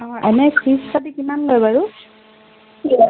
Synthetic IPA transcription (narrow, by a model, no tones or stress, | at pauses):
ɔ̃ɛnɛkʰispadikimanlojbaɹu